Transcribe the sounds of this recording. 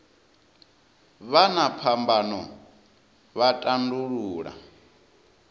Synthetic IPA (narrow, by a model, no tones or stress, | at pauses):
βanapʰambanɔ | βatʼanduɺuːɺa̰